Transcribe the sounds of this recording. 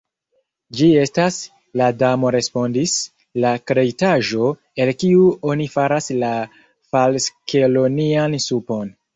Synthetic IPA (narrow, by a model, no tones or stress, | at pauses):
d͡ʒie̞stas | ladamo̞ɾe̞spo̞ndis | lakɾe̞jtaʒo̞ | e̞lkiuo̞nifaɾasla | falske̞lo̞niansupo̞n